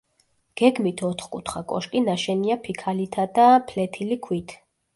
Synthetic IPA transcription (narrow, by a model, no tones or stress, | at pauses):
ɡ̥ɛɡmit̪ʰɔt̪ʰχkʼṵt̪ʰχakʼɔ̰ʃkʼinaʃɛniapʰikʰalit̪ʰad̪apʰlɛt̪ʰilikʰwit̪ʰ